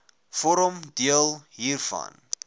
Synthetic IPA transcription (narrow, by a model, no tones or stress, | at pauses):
fɔɾəmdiəlˠɦiːrfɐ̰n